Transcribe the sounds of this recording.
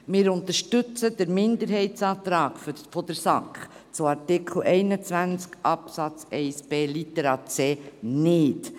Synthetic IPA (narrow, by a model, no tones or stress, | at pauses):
mɪːɾʊnt̪əʃtʏt͡səd̥̪əɾmɪnd̪əɾɦɛɪtsɑːt̪ɾɑːkfʏfɔd̪əɾsɑkχt͡sʊɑɾtɪkχl̩ʔɛɪnət͡sʋænt͡skʔɑpsɑt͡sɛɪsb̥eːlit̪ɛɾɑːt͡seːnɪːt